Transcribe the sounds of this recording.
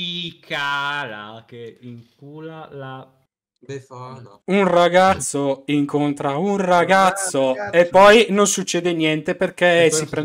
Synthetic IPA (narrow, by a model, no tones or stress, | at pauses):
ikaɾa̰keiŋkulala | unraɡat̪sːoiŋkont̪ɾaunraɡat̪sːoepːɔjnonsut͡ʃːɛːd̪enjɛnt̪eperkesipɾ